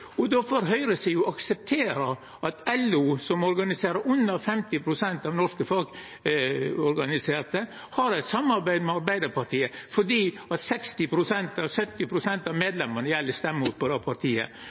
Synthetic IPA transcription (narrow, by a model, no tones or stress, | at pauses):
ɔd̪ɔfɔɾɦœʏɾəsijʊʔɑksɛp̚t̪ʰeːɾə | ʔɑt̪ʰɛluːsɔmɔɾɡɑnɪseːɾəʉnːɑfɛmt̪ɪpʰɾʊsɛnt̪ɑʋnɔʂkəfɑlɡ | ɔɾɡɑnɪseːɾt̪ə | hɑɾɛɪt̪sɑmːɑɾbæɪd̪mɛɑɾbæɪd̪əɾpɑʈ̪ʰiːəfɔɖiː | ɑt̪sɛkst̪ɪpʰɾʊsɛnt̪ɑʋsœt̪ːɪpʰɾʊsɛnt̪ɑmeːd̪lɛmːənəjɛlːəst̪ɛmːəut̪pʰɔd̪ɛpʰɑʈ̪ʰiːə̰